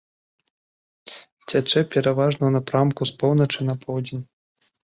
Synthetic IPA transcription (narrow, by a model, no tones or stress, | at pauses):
t͡sʲat͡ʂɛpʲɛɾavaʐnɐwnapɾamkuspɔwnɐt͡ʂɨnɐpʰɔwd͡zʲenʲ